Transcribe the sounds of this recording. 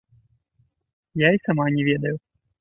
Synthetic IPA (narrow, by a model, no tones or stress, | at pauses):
jaisamanʲɛvʲɛd̪ɐju